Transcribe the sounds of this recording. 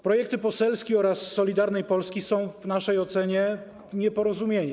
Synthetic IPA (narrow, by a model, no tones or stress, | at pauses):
pɾɔjɛk̚t̪ɘpɔsɛlskʲiɔɾasːɔlʲid̪aɾnɛjpɔlskʲisɔ̃w̃vnaʂɛjɔt̪sɛɲɛ | ɲɛpɔɾɔzumʲjeɲɛ